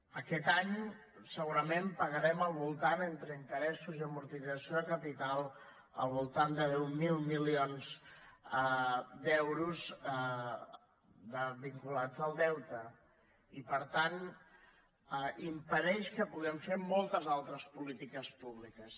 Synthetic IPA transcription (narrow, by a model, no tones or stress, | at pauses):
əkɛt̪aɲ | səɣuɾəmempəɣəɾɛməlˠβulˠt̪anent̪ɾəint̪əɾɛsuziəmuɾt̪izəsioðəkəpit̪alˠ | ə̰lˠβulˠt̪and̪əðɛwmilˠmilionz | d̪ɛwɾuz | d̪əβiŋkulad͡zəlˠd̪ɛwt̪ə | ipəɾt̪an | impəɾɛʃkəpuɣɛmfemɔlˠt̪əzalˠt̪ɾəspulit̪ikəspuβlikəs